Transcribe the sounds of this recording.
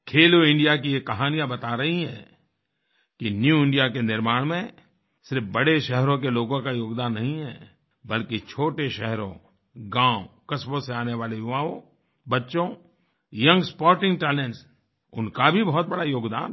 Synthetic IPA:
kʰeːloɪ̃ɳɖijak̬ijekɐɦaːnijabɐt̪aɾɐɦiɦɛ̰̃ː | kinjuɪ̃ɳɖijakenɪɾmaːɽ̃mẽ | sɪɾfbɐɽeʃɛɦɾõk̬eloːɡõkajoːɡd̪aːnːɐɦĩɦɛ̰ː | bɐlkit͡ʃʰoːʈeʃɛɦɾõ̰ | ɡãːʊkɐsbõseaːneʋaːlejʊʋaːõ | bɐtːʃõ | jɐ̃ŋɡspɔːɾʈɪ̃ŋɡʈɛːleɳʈs | ʊ̰nkabʱibɐɦɔt̪̚bɐɽajoːɡd̪a̰ːn

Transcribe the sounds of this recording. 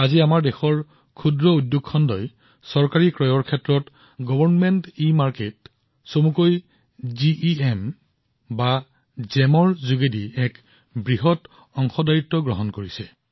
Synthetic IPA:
aziamaɹdɛxɔɹ | kʰudɹɔudjoɡʰɔndɔj | sɔɹkaɹikɹɔjɔɹkʰɛtːɹɔt | ɡɔbɔɹnmɛntimaɹket | somukoj | ziʔiɛm | ba | zɛmɔɹzuɡediɛk | bɹiɦɔt | ɔŋxɔdajitːɔɡɹɔɦɔnkoɹisɛ

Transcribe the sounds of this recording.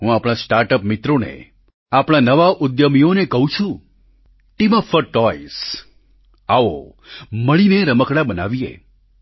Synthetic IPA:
ɦũapɽ̃asʈaɾʈəpmɪt̪ɾonḛ | apɽ̃anəʋaʔʊd̪jəmionekəɦũt͡ʃʰũ | ʈiməfəɾʈɔis | aoməɭineɾəməkɽabəna̰ʋijḛ

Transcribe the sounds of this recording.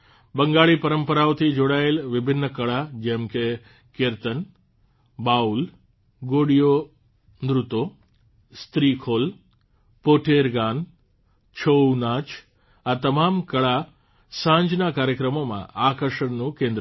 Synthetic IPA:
bəŋɡaːɭiːpɐɾəmpəɾaːʋt̪ʰid͡ʒoːɽaːjelʋɪbʱɪnːəkɐɭad͡ʒemke | keɾt̪ən | baːul | ɡoːɽijo | nd̪ɾʊt̪oː | st̪ɾiːkʰoːl | poːʈʰeɾɡaːn | t͡ʃʰownaːt͡ʃ | at̪ɐmaːmkɐɭa | sãːɲd͡ʒnakaːɾjəkɾəmomã̰aːkəɾʂəɳnukẽːnd̪ɾ

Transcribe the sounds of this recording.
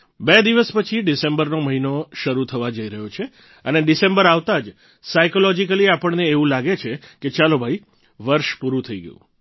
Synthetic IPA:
bed̪iʋəspət͡ʃʰiɖisẽmbəɾnoməɦinoʃəɾut̪ʰəʋad͡ʒəiɾəɦjot͡ʃʰe | əneɖisembəɾaʋt̪ad͡ʒ | sajkolɔd͡ʒikəliapəɳneːʋũlaɡet͡ʃʰeket͡ʃalobʱai | ʋəɾʃpuɾũt̪ʰəiɡə̰jṵ̃

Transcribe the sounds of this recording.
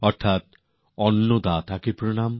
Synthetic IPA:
ɔɾt̪ʰat̪̚ | ɔnːod̪at̪ʰakepɾonam

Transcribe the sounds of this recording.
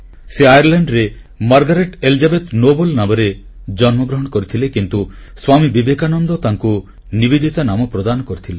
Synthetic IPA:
seajaɾleɳɖɾe | maɾɡɔɾeʈelid͡ʒabet̪nobolnamɔɾe | d͡ʒɔnmɔɡɾɔɦɔɽ̃ɔkɔɾit̪ʰilekint̪u | swamibibekanɔnd̪ɔt̪aŋku | nibid̪it̪anamɔpɾod̪anɔkoɾit̪ʰile

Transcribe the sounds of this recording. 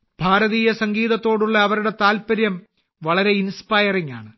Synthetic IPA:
b̥ʱaːɾɐðiːjɐsɐŋɡiːðɐt̪ːo̞ːɽuɭːɐːʋɐɾuɽe̞t̪aːlpɐɾjɐm | ʋɐɭɐɾe̞inspaːjɐriŋa̰ːɳɨ

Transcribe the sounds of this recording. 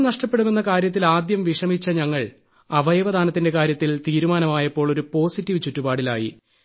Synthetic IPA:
nɐʂʈɐpːe̞ɽume̞nːɐkaːɾjɐt̪̬ːilaːd̪jɐmʋiʂɐmit͡ɕːɐɲɐŋːɐɭ | ɐʋɐjɐʋɐd̪ʱaːnɐt̪ːinde̞kaːɾjɐt̪ːilt̪iːɾumaːnɐmaːjɐpːo̞ːɭo̞ɾupo̞ːsitːiʋt͡ɕutːubaːɽila̰ːjḭ

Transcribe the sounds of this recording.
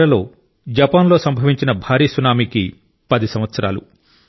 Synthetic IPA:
ɾɐlo̞ː | d͡ʒɐpaːnlo̞ːsɐmbʱɐʋiɲt͡ʃinɐbʱaːɾiːsunaːmiki | pɐd̪isɐmʋɐt̪sɐɾa̰ːlṵ

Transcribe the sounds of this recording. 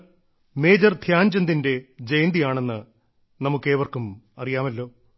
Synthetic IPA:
me̞ːd͡ʑɐrd̪ʱjaːɲd͡ʑɐnd̪inde̞d͡ʑejnd̪ijaːɳe̞nːɨ | nɐmukːeːʋɐrkumɐrijaːmɐlːo̞ː

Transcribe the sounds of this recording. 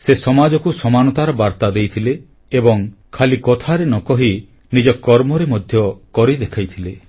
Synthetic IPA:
sesɔmad͡ʒɔkusɔmanɔt̪aɾɔbaɾt̪ad̪ejt̪ʰileː | bɔŋkʰalikɔt̪ʰaɾenɔkɔɦi | nid͡ʒɔkːɔɾmɔɾemɔd̪ʱjɔkɔɾid̪ekʰajt̪ʰile

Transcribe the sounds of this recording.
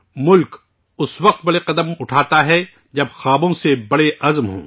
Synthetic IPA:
mʊlk | ʊswɐq̚t̪̚bɐɽeqɐd̪əmʊʈʰaːt̪aɦɛ | d͡ʒɐbxaːbõsebɐɽeʔɐzmɦõ̰ː

